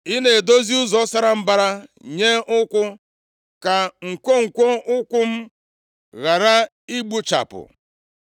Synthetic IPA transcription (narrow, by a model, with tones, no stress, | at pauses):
i˦ne˨do˦zi˦ʊ˦zɔ˦sa˦ɾa˦m̩˦ba˦ɾa˦ɲe˦ʊ˦kʷʊ˦ | ka˨ŋ̩˨kʷo˦ŋ̩˨kʷo˦ʊ˦kʷʊ˦m̩˦ | ɣa˨ɾa˦ | i˦ɡ͡bu˦t͡ʃa̰˨pʊ̰˨